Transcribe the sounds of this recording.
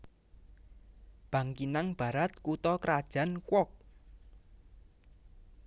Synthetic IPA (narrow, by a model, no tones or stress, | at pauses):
b̥ä̤ŋkinaŋb̥ä̤ɾat̪̚kut̪ɔkɾad̥ʒ̥a̤nkwɔk̚